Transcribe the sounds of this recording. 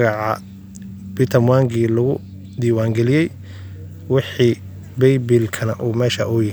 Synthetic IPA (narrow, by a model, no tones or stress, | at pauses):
ɣɑʕɑ̰ | b̥it̪ʰɐmwaːŋɡʰiːlɐɣʊ | d̪iːwaːŋɡɛlɪjɛj | wɑħiː | bɛjbilkʰɐnɐʔuːmɛːʃɐʔʊjɐ